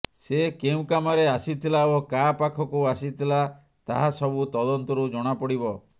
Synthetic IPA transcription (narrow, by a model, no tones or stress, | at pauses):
sekeũkamaɾeasit̪ʰilaokapakʰɔkuasit̪ʰila | t̪a̰ɦasɔbut̪ɔd̪ɔnt̪ɔɾud͡ʒɔɽ̃apɔɽibɔ